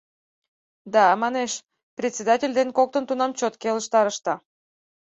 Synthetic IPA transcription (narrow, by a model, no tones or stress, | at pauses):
d̪ɑmɑneʃ | prʲet̪ʲt͡sʲed̪ɑtʲelʲd̪enkok̚t̪ənt̪unɑmt͡ɕot̪keləʃt̪ɑɾəʃt̪ɑ